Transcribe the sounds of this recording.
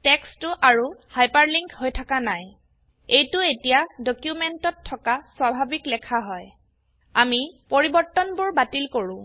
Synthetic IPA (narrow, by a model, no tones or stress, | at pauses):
tɛkstʊʔaɹuhajpaɹliŋkhojtʰakanaj | ejtʊetijadokjumentɔtʰːɔkaswabʱabiklɛkʰaɦɔj | amipoɹibɔɹtɔnbʊɹbatilkoɹʊ̃